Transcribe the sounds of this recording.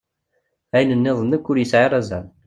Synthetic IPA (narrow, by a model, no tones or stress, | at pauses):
æjnənːɪðˤənːəkːʊɾjəsʕɪɾˤæzæn